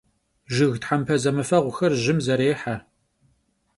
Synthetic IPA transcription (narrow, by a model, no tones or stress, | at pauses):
ʒɨɣtħampʰɐzɐmɨfɐʁʷʊxɐrʒɪmzɐɾeːħa